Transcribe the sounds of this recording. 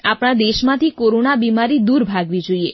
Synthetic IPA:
apɽ̃ad̪eʃmãt̪ʰikoɾonabimaɾid̪uɾbʱaɡʋid͡ʒoie

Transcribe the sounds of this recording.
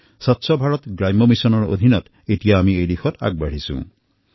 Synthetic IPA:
sɔtːsʰɔbʱaɹɔt̪ɡɹajmɔmisɔnɔɹo̰d̪ʱinɔt | etijaːmiejlixʰɔta̰ɡ̚baɽ̤isṵ̃

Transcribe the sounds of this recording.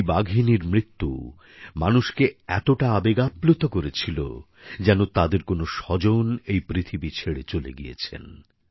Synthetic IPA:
baɡʱiniɾmɾit̪ːṵ | manuʃkeɛt̪oʈaabeɡaplot̪okoɾet͡ɕʰilo̰ | d͡ʑɛnot̪ad̪eɾkonoʃɔd͡ʑonejpɾit̪ʰibit͡ɕʰeɽet͡ɕolḛɡijḛt͡ɕʰḛn

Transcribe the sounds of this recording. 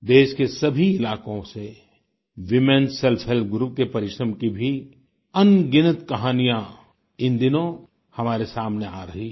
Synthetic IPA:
d̪eːʃkesɐbʱiɪlaːkõse | ʋɪmẽnsɛlfʰɛlpɡɾup̚kepɐɾɪʃɾəmkibʱi | ɐnɡɪnət̪kɐɦaːnijã | ɪ̃nd̪ɪnõ | hɐmaːɾesaːmneaːɾɐɦi

